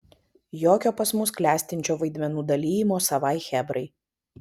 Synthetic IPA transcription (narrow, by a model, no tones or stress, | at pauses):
joːkʲoːpɐsmʊsklʲæːsʲt̪ʲɪnʲt͡ʃʲoːʋɐɪd̪ʲmʲɛnuːd̪ɐlʲiːjɪmoːsɐʋɑˑɪxʲɛbɾɐɪ